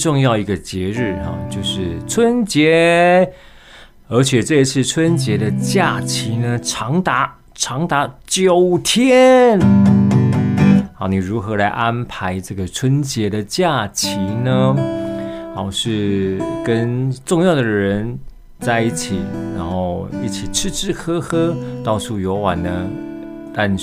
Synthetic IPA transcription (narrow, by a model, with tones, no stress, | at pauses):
ʈ͡ʂʊ˥˧ŋjɑ˥˩ʊi˧˥ɡə˧t͡ɕjɛ˧˥ɻɻ̩˥˩a̰˨˩t͡ɕjo˥˧ʊʂɻ̩˥˩t͡sʰwə˦˥nt͡ɕjɛ˨˧˥ | ə˞˧˥t͡ɕʰjɛ˨˩ʈ͡ʂɤ˥˧i˧t͡sʰɹ̩˥˩t͡sʰwə˥nt͡ɕjɛ˧˥d̪ə˧t͡ɕja˥˩t͡ɕʰi˧˥nə˧ʈ͡ʂʰɑ˧˥ŋt̪a˧˥˦ | ʈ͡ʂʰɑ˧˥ŋt̪a˧˥t͡ɕjo˨˩ʊt̪ʰjɛ˦˥n | xa˧˥ʊni˨˩ɻu˧˥xɤ˧˥la˧˥ɪʔa˥npʰa˧˥ɪʈ͡ʂɤ˥˩ɡə˩ʈ͡ʂʰwə˥nt͡ɕjɛ˧˥d̪ə˧t͡ɕja˥˩t͡ɕʰi˧˥nə˧ | xa˧˩ʊʂɻ̩˥˩kə˦nʈ͡ʂʊ˥˧ŋjɑ˥˩ʊd̪əə˩ɻə˧˥n | t͡sa˥˧ɪi˥˩t͡ɕʰi˨˩˦ɻa˧˥nxo˥˧ʊḭ˥˩t͡ɕʰi˨˩ʈ͡ʂʰɻ̩˥˧ʈ͡ʂɻ̩˥˧xɤ˥xɤ˥t̪ɑ˥ʊsʰu˥˧jo˧˥ʊwa˨˩nnə˦t̪a˥˧n